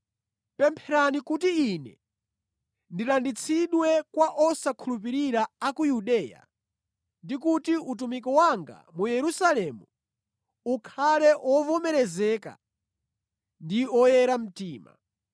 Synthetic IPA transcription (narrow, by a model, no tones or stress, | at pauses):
pɛmpʰɛɾanikutiːnɛ̰ | ndilandit͡sʰiɗwɛkwaʔɔsakʰulup̬iɾiɾaakujuɗɛːja̰ | ndikutiut̬umikɔwaŋɡa̰mujɛɾusalɛmu | ukʰalɛʔɔvɔmɛɾɛzɛːka̰ | ndiɔjɛɾam̩tiːma̰